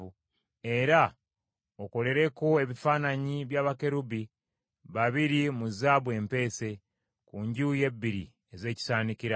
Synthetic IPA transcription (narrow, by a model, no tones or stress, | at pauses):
u | e̞ɾa | oko̞le̞ɾe̞ko̞e̞βifaːnaɲiβjaːβake̞ɾubi | βaβiɾimuzaβwe̞ːmpe̞ːse̞ | kuɲɟuːje̞bːiɾḭ | eze̞ːci̥saːnikiɾa